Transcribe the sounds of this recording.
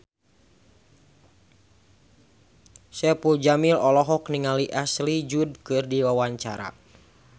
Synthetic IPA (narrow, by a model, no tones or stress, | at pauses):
sɛpuld͡ʒamilɔlɔɦɔkniŋaliʔaslid͡ʒud̚kɨrdiwawaɲt͡ʃaɾa̰